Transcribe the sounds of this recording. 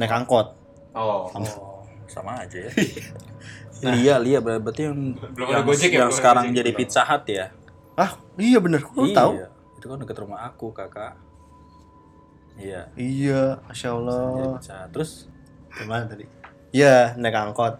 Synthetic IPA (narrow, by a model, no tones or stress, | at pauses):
nɛkaŋkɔt̪̚ | samasa̰maːd͡ʒaja | liaʔliaʔbəbət̪ujaŋjaŋjaŋsəkaɾaŋd͡ʒadipit̪̚saɦat̪ja | ahijabənərkut̪aua | it̪ukanəkət̪ɾumahakukakaʔ | ijaijamaʃaəlːɔsahat̪ːəɾʊs | təmanat̪adi | janɛkaŋkɔt̪̚